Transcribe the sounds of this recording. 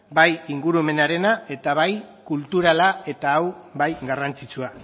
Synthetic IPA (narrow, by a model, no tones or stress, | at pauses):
bajiŋɡuɾueme̞naɾe̞nae̞t̪aβajkult̪uɾalae̞t̪aːwbajɡarant͡sit͡sua